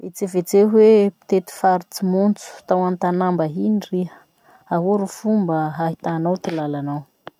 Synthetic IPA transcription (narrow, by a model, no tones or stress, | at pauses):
et͡sevet͡seɦwepi̥t̪et̪i̥faɾit͡simunt͡su̥t̪awant̪anambəɦiniriɦə̥ | aɦoɾufumbəɦaɦit̪anawt̪ilalanaw